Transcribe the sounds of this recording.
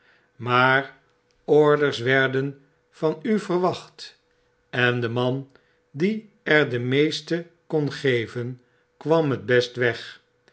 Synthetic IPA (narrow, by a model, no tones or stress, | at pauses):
maːɹ | ɔɹdəɹsʋɛɹdən | vɑnyvərʋɑχt | ɛndəmɑn | di | ɛɹdəmejstə | konχejvən | kʋɑmɦəd̚bɛstʋɛχ